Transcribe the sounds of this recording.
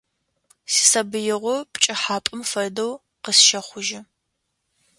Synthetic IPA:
si̥sɐbɨjɪʁʷɔpt͡ʃʼɐħaːpʼɨmfɐrdɐw | qəsʃɐχʷʊʒɪ

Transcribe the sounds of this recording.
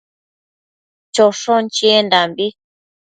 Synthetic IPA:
t͡ʃɔʃɔnt͡ʃiɛndambi

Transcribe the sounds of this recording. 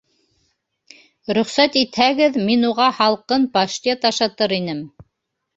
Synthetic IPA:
ɾɵ̆χsæt̪it̪hæɡɘðminuʁɑhɑlˠqɤnpɑʃt̪ʲet̪ɑʃɑt̪ɤɾinɘm

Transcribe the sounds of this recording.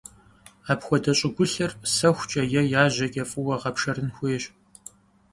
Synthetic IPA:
aːpxʷɔdɐɕʼɪɡʷʊɬɐrsɐxʷt͡ʃʼɐjɛjaːʑɐkʲʼɐfʼɨwɐʁɐpʂɐrɨnxʷeːɕ

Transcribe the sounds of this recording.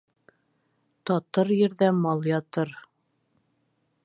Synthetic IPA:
t̪ɒt̪ɤɾjɘ̆ɾðæmɑlˠjɒt̪ɤɾ

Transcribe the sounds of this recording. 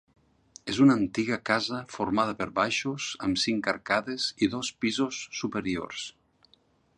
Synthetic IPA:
ezunant̪iɣakazəfoɾmaðəpeɾβajʃozəmsiŋkaɾkaðeziðɔspizosːupeɾio̰rs

